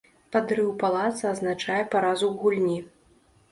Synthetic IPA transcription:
pad̪ɾɨwpalˠat̪sɐaznat͡ʂajɛpaɾazuɣulʲnʲi

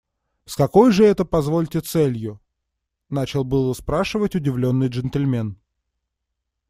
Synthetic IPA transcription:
skɐko̞jʐɨɛt̪əpɐzvo̞lʲtʲɪt̪sɛlʲjʊ | nat͡ɕɪlˠbɨlˠəspɾaʂɨvətʲʊdʲɪvlʲo̞nːɨjʐənt̪əlʲmʲe̞n

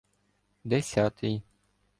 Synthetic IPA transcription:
d̪esʲat̪ʰij

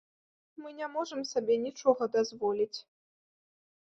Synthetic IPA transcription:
mɨnʲɛmɔʐɨmsabʲɛnʲit͡ʂɔɣɐd̪azvɔlʲit͡sʲ

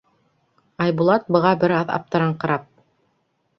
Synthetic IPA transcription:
ɑjbulˠɑt̪̚bɤ̆ʁɑbɘɾɑðɑ̰p̚t̪ɤ̆ɾɑɴqɑ̆ɾɑp̚

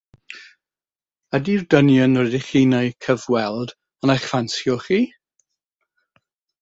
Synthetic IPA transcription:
adirdənjənrɛdiχiːnejkʰəvwɛlˠd | ənajχvansjɔχiː

